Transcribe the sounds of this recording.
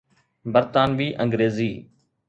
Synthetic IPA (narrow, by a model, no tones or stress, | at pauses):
bəɾt̪aːnʋiːʔə̃ŋɡɾeːziː